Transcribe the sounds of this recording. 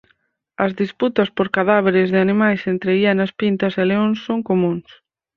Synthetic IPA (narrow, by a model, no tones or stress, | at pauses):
ɐzðisput̪ɐspoɾkaðaβ̞eɾɪzðɪanimajsent̪ɾeianɐspint̪ɐseleõnsːoŋkomũŋs